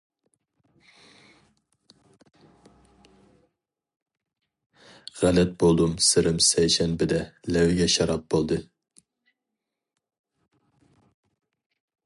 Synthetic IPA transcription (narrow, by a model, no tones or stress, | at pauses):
ʁælɛt̪̚bolˠd̪umsɨɾɨmsɛjʃɛnbɪd̪ɛlɛwɡʲɛʃɑɾɑp̚b̥olˠd̪ɨ